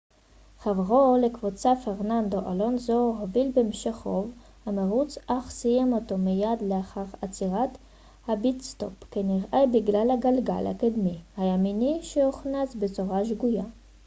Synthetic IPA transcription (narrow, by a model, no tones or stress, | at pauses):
χavʁolekvut͡safeʁnand̪o̞ʔalo̞nzoɦovilbemʃeχov | hameʁut͡sʔaχsijemot̪o̞mijad̪leaχaʁat͡siʁat̪ | habit͡st̪o̞̰pkeniʁʔabiɡlalhaɡalɡa̰lha̰kod̪mihajaminiʃehuχnasbet͡soʁaʃ̬ɡuja